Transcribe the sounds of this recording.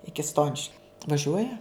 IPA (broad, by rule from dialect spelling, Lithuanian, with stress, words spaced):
ˈɪkʲɪ ˈstoːnʲɪʃʲkʲʊ ʋɐˈʒʲuɔjɛ